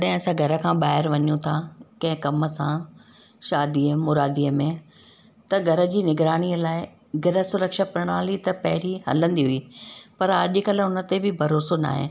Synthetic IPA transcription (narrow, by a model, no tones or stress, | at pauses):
ɗɦɪ̃ɐsãɡʱɐɾə̆kʰãːɓaːɦɪɾʋɐɲjũt̪ʰakɐ̃ɦɪ̃kɐmə̆sã | ʃaːd̪iəmʊɾaːd̪iːəmẽ | t̪ɐɡʱɐɾə̆d͡ʑiːnɪɡɾaːɽ̃iəlaːɪ | ɡʱɐɾəsʊɾəkʃapɾɐɽ̃aːlit̪ɐpɐɦɪɽiɦɐ̰lə̃nd̪iɦʊiːpɐɾɐʄɪkɐlʊnə̆t̪ebɪbʱɐɾoːsona̰ːɦḛ